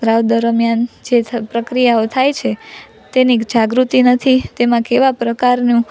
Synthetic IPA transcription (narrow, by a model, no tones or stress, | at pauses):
ɾawd̪əɾəmjand͡ʒepɾəkɾijaot̪ʰajt͡ʃʰe | t̪enid͡ʒaɡɾut̪inət̪ʰit̪emãkeʋapɾəkaɾnũ